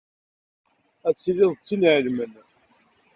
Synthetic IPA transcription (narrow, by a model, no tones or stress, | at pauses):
æt͡sːilɪðˤt͡sːinʕəlmən